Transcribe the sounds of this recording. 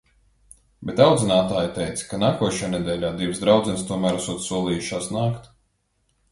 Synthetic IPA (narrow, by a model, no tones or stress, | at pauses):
bʲet̪awd̪zinaːt̪aːjt̪ɛjt̪skanaːkuɔʃajaːnɛd̪ʲɛːlʲaːd̪ivsd̪ɾawd̪zɛnst̪uɔmæːɾasuɔt̪suɔlˠiːjuʃaːsnaːkt̪